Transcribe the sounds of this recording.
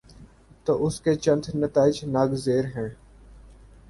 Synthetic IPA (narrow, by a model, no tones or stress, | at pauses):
t̪oːʔʊsket͡ʃə̃nd̪nət̪aːɪd͡ʒnaɡzeːɾɦɛ̃ː